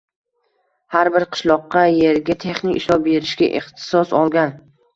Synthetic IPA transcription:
haɾbɪɾqʰɨ̥ʃlˠɒqːɑjeɾɡʲat̪ʰe̞χnɪkʲɪ̰ʃlˠɒpbe̞ɾɪʃɡʲaʔɪ̰χt̪ʰɪ̥sɒsɒlˠɡʲan

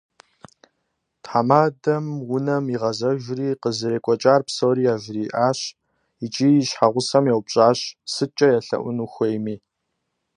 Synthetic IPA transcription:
tħamaːdɐmwʊnɐmiʁɐzɐʒʷriːqəzɨɾeːkʷʼɔt͡ʃʼaːrpsowɾiːjaːʒɪriːʔaːɕ | it͡ʃʼiːɕħaʁʷʊsɐmjɛwpɕʼaːɕsɨt͡ʃʼɐjaɬɐ̰ʔʷʊnuxʷejmiː

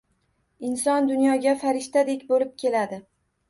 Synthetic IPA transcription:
ɪnsɒnd̪ʊnjɒɡʲafaɾɪʃt̪ad̪ekʲbolɪp̚kʲʰe̞lad̪ɪ

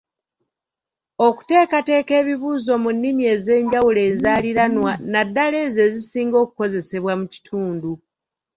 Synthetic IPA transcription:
o̞ku̥te̞ːkate̞ːke̞ːβiβuːzo̞munːimie̞ːze̞ːɲɟawule̞ːzaːliɾanwanadːale̞ze̞zisiːŋɡo̞ːku̥ko̞ze̞se̞βwamuci̥tʰuːndu

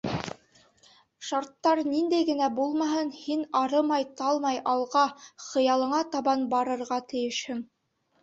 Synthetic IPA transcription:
ʃɑɾt̪ːɑɾnind̪æjɡɘ̆næbulˠmɑɦɤnhinɑɾɤmɑjt̪ɑlˠmɑjʔɑlˠʁɑχɤ̆jɑlˠɤ̆ɴɑt̪ɑβɑnbɑɾɤ̆ɾʁɑt̪ɘ̆jɘ̆ʃhɘm

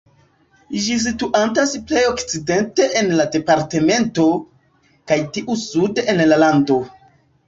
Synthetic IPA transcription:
d͡ʒis̬ituʔantasple̞jo̞kt͡side̞nte̞ʔenlade̞paɾte̞me̞nto̞ | kajtiʔusudeenlalando̞

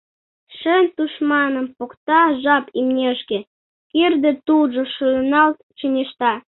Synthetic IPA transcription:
ʃənʲt̪uʃmɑnəmpokt̪ɑʒɑpimnʲeʃke | kird̪et̪ulʒoʃunɑlt̪̚t͡ɕənʲeʃt̪ɑ

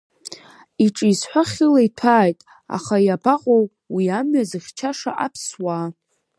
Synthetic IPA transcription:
iʈ͡ʂʼizħʷaχʲɪlaitʰaːjtʼ | a̰χajabaqʼow | wiamɥazɨχʲt͡ʃʰaʂa̰ʔapʰswa

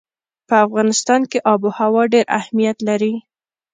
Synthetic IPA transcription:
pəafɣɑnɪst̪ɑnkeʔɑbuhawɑɖeɾa̰hmijat̪laɾi

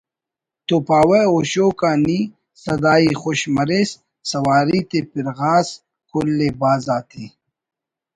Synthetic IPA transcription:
t̪oːpaːweoːɕoːkaːni | sɐd̪aːixoɕmɐɾesː | ɐwaːɾiːt̪epiɾɣaːs | kʰolːebaːzaːt̪ʰe

